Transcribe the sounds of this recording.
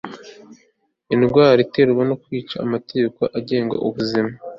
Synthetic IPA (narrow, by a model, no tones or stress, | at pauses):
inɡwaːɾite̞ɾwano̞kwiːt͡ʃa̰ːmate̞ɟe̞koʔaɟe̞ːŋɡa̰ʔuβuzima